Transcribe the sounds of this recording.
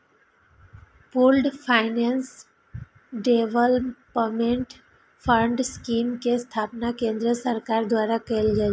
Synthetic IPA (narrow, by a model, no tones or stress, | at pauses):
puːlɖpʰaːɪnans | ɖeʋəlpmẽɳʈ | pʰə̃ɳɖskiːmkest̪ʰaːpnakẽːnd̪ɾəsəɾkaːɾd̪ʋaːɾakəlɡae